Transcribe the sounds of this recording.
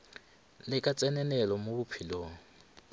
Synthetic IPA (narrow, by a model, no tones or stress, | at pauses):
lɪkʼat͡sʼɛnɛnɛlɔmobʊpʰiloːŋ̩